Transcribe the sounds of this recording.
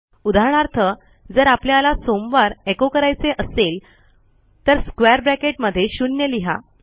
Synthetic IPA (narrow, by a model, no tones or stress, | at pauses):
ud̪ʱaɾɳ̃aɾt̪ʰə | d͡zəɾapljalasomʋaɾekokəɾajt͡seʔəsel | t̪əɾskʋeəɾbɾækeʈ̚məd̪ʱːjeɕunjəliɦa̰